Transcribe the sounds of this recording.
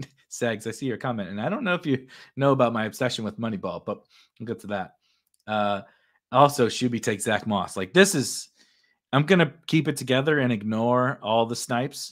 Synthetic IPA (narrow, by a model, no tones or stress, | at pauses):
sɛɡzaɪsijə˞kʰɑmɛ̃ntɨ̃naɪɾõʊ̃nːoʊɨfjɨnoʊəbaʊt̚maɪɨb̥sɛʃɨ̃n̩wəðmʌñibɔlˠb̥ʌt̚ | l̩ˠɡoʊtʰɨðæt̚ | ʌ | ɔlˠsoʊʃʉbitʰeɪksð̥æk̚mɔslaɪk̚ðɪsɨz̥ | ãɪ̃mɡʌñɨkʰipɨtʰɨɡɛðə˞ɨ̃nɨɡ̚nɔɹɔlˠðəsnaɪps